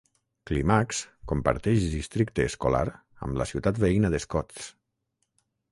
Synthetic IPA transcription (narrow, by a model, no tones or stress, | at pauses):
klimakskompə̰ɾt̪ɛʃd̪ist̪ɾik̚t̪eːskola̰ɾ | ə̰mləsiwt̪at̪βeinəðeskɔt͡s